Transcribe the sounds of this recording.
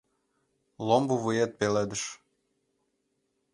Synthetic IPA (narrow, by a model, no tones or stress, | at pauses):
lombuβɨjet̪̚peled̪əʃ